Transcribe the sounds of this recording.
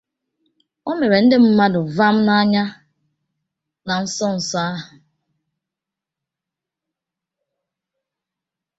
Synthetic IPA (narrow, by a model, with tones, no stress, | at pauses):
o˦me˨ɾe˨n̩˦dɪ˦m̩˦ma˦dʊ˨va˦m̩˦na˦ɲa˦ | na˨n̩˦sɔ˦n̩˨sa˦a˦ɦʊ˨